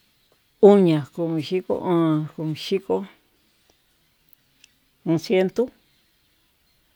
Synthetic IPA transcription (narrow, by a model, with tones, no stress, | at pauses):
u˦ɲã˨ku˧mĩ˨ʃi˦ko̰˦ʔãː˦˧ku˧˨mĩ˨˧ʃi˦ko˦ | ũ˧sje˦nt̪u˦